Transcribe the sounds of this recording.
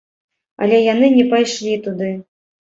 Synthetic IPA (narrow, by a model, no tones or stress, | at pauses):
ɐ̰lʲɛjanɨnʲɛpajʂlʲit̪ud̪ɨ